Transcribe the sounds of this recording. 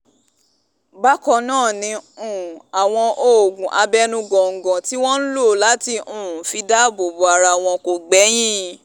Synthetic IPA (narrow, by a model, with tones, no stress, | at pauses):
ba˦kɔ˧nãː˦˨nĩ˧ũ˨a˨w̃ɔ̃˧ʔo˦˨ɡũ˨ʔa˧bɛ˦nũ˧ɡɔ̃˨ŋ̩˨ɡɔ̃˨ti˦w̃ɔ̃˦n̩˦lo˦˨la˨˦ti˧ʔũ˨fi˧da˦˨bo˨bo˨a˧ɾa˧˨w̃ɔ̃˧ko˨ɡ͡bɛ˨˦j̃ĩ˦